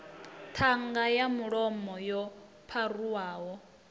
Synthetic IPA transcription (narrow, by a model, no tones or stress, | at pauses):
tʰaŋɡajamuɺɔmɔjɔ | pʰaruwaːɦɔ